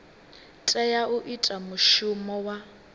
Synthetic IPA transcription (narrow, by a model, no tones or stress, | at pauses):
tʼɛjauʔitʼamuʃumɔwa